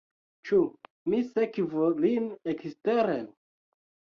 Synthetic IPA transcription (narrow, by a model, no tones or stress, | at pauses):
t͡ʃu | misekvolineksteɾe